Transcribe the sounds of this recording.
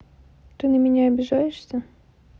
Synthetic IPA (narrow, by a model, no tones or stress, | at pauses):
t̪ɨnəmʲɪnʲaɐbʲɪʐajɪʂsʲə